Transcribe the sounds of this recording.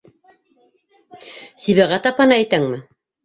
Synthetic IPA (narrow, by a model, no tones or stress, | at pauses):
siβæʁæt̪ɑphɑnɑæjt̪æŋmɘ